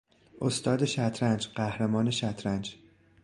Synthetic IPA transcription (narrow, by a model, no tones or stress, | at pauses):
ʔost̪ɒːd̪eʃæt̪ʰɾænd͡ʒɢ̥æhɾemɒːne̞ʃæt̪ʰɾænd͡ʒ